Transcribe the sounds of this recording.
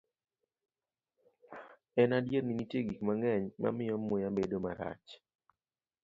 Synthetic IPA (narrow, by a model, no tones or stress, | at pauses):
ɛnadjerninitjeɡikmaŋɛɲma̰mɪjɔmːʊjabedoma̰ɾa̰t͡ʃ